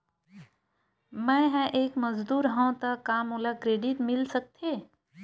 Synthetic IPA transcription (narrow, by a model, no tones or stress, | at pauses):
mɛ̃ɦɛ̃ʔeːkməzd̪uːɾɦãt̪ɐkaːmʊlakɾeːɖɪʈ̪mɪlsək̚t̪ʰeː